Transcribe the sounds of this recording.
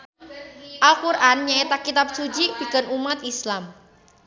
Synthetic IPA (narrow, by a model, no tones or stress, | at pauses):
ʔalkuɾʔanɲaet̪akit̪ap̚sud͡ʒib̥i̤kənumat̪islam